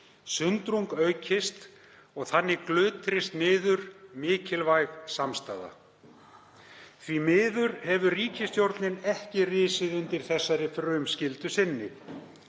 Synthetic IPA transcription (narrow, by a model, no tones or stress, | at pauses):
sʏnt̪ɾuŋkœːɥcʰɪst̪ | ɔɣθanːɪklʏːt̪ʰɾɪst̪nɪːðʏɾ̥mɪːcɪlvajɣsamst̪a̰ːða̰ | θvimɪːðʏɾhɛvʏriːcʰɪst̪jowɾt̪nɪnɛhcɪrɪːsɪðʏnt̪ɪɾ̥θɛsːaɾɪfɾœɥmscɪlt̪ʏsɪnːɪ